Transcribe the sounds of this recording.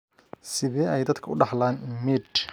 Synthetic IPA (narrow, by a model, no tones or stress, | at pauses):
sɪðɛːɛjd̪ɐd̪kʰɐʊɖɑħlaːnmɪʈ